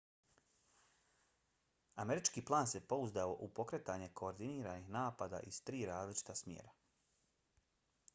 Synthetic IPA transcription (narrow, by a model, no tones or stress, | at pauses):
ame̞ɾit͡ʃkiːplˠaːnse̞po̞uzd̪ao̞ʔupo̞kɾet̪aɲe̞kʰo̞ːɾd̪iniːɾaːnixnaːpad̪a̰ʔizt̪ɾiːɾaːzlit͡ʃi̥t̪asmʲjḛːɾa